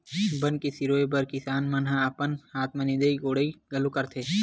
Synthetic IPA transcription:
bənkesiɾoːebɐɾkɪsaːnmɐnɦãɐpənaːt̪mɐnɪd̪əiɡoːɽəiɡɐlũkɐɾt̪ʰeː

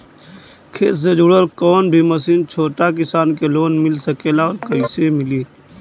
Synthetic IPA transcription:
kʰḛːssed͡ʒʊɽəɾkɔːnbʱiməsiːnt͡ʃʰoːʈak̬ɪsaːnkeloːnmɪlsəkeːlaɔːɾkəisemɪliː

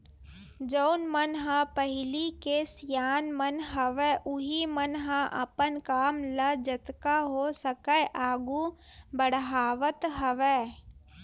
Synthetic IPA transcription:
d͡ʒəʊnmənɦãpəɦɪlikesjaːnmənɦəʋeʔʊɦimənɦãʔə̰pənkaːmləd͡ʒət̪kaɦosəkəʔaːɡũbəɽɦaːʋət̪ɦəʋeː

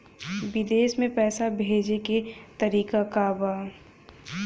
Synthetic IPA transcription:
bɪd̪eːsmẽpɛːsabʱeːd͡ʒeket̪ɐɾiːkakabaː

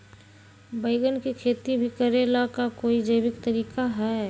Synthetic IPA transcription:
bəɪɡənkikʰeːt̪ibʱikəɾelakakoːid͡ʒəɪbɪkt̪əɾiːkaɦɛː

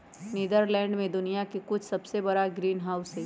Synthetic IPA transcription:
niːd̪əɾlɛ̃ːɳɖmẽd̪ʊnijakikʊt͡ʃʰsɐbsebɐɾaɡɾiːnɦaːʊse

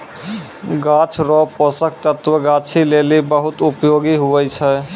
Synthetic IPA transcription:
ɡat͡ʃʰɾɔpɔsək̚t̪ət̪wəɡat͡ʃʰilelibəɦʊt̪upjoɡiɦuɛt͡ʃʰɛ

